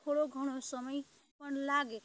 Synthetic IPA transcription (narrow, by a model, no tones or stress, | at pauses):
t̪ʰoɽoɡʱəɽ̃osəməj | pʌnlaɡe